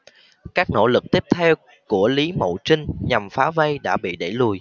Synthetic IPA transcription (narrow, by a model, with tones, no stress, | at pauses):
kaː˦˥k̚no̰˧˥lɨ˨˩k̚t̪i˦˥əp̚t̪ʰɛ˧w | ku˧˩əli˨˦mə̰˧˨t͡ɕï˧ŋ̟ɲa˨˩mfaː˨˦və˧jɗa̰ː˧˥ɓḭ˧˨ɗe˧˩lu˨˩j